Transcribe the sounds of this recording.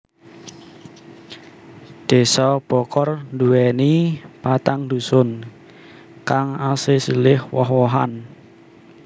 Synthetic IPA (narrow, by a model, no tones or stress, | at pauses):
d̪̥e̤sɔb̥ɔ̤kɔrnd̪uwɛnipat̪aŋnd̪usʊn | kaŋasɪsilɪhwɔhwɔɦan